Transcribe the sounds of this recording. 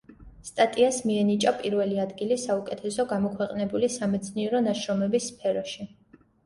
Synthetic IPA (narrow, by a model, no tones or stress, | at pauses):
st̪ʼat̪ʼiasmiɛnit͡ʃʼapʼiɾvɛliad̪ɡilisaukʼɛt̪ʰɛsɔɡamɔkʰwɛqʼnɛbulisamɛt̪sʰniɛɾɔnaʃɾɔmɛbisːpʰɛɾɔʃi